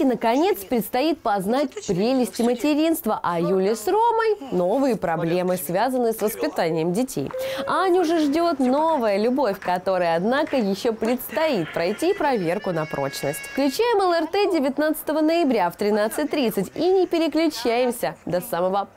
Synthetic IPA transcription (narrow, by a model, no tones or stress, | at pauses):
ɪnəkɐnʲe̞t̪spɾʲɪt̪st̪ɐjit̪̚pɐznatʲfpɾʲelʲɪsʲtʲɪmətʲɪɾʲin̪st̪vəʔɐjulʲɪsroməjnovɨjəpɾɐblʲe̞mɨsvʲazənːɨjəsvəspʲɪt̪anʲɪjəmdʲɪtʲʰḛjɐnʲuʐɛʐdʲo̞t̪no̞vəjəlʲʊbo̞fʲkɐt̪o̞ɾəjəɐd̪nakəjɪɕːopɾʲɪt̪st̪ɐit̪̚pɾɐjtʲipɾɐvʲe̞rkʊnɐpɾo̞̰t͡ɕnəsʲtʲfklʲʉt͡ɕæjɪməlˠərt̪ɛdʲɪvʲɪt̪nat̪sə̥t̪əvənəjɪbɾʲaft̪ɾʲɪnat̪sɨt̚ʲt̪ɾʲit̪sɨtʲinʲɪpʲɪɾʲɪklʲʉt͡ɕæjɪmsʲəd̪ɐsaməvə